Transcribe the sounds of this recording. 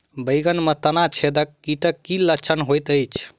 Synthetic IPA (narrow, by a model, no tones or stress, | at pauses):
bəɪɡənmət̪ənat͡ʃʰed̪əkːiʈəkːilət͡ʃʰənɦojt̪əjt͡ʃʰ